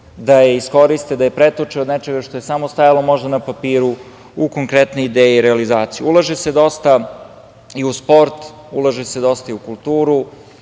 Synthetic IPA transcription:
d̪aje̞isko̞ɾist̪ed̪ajepɾet̪ot͡ʂiod̪net͡ʃe̞ɡaʂt̪o̞je̞samost̪ajalo̞mo̞ʒd̪anapapiːɾu | uko̞ŋkɾet̪neid̪eːjiɾealizaːt̪sijuulˠaʒesed̪o̞st̪a | iuspo̞ɾt̪ | ulˠaʒesed̪o̞st̪aiukulˠt̪uːɾu

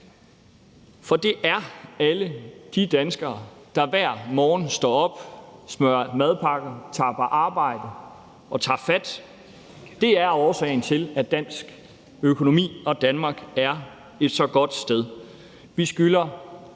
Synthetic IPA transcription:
fɒ̽d̥e̝ʔæɐæləd̥id̥ænsɡ̥ɐːd̥ɑ̈ʋæɐ̰mɒːn̩sd̥ɒ̰ːɒ̽b̥smøɐmæð̞ˠpʰɑ̈ɡ̥ɐt͡sʰɑ̰̈b̥ɐʔɑ̈ːb̥ɑ̈ɪ̰d̥ə | ɒ̽t͡sʰɑ̰̈ːfæd̥ | d̥e̝æɐɒːsɛ̰ɪn̩t͡sʰe̝læd̥æn̰sɡ̥ | økʰo̝no̝mḭːɒ̽d̥ænmɑ̈ːɡ̥æɐ | e̝d̥sɒ̽ɡ̥ɒ̽d̥sd̥eð̞ˠ | ʋisɡ̥ylɐ

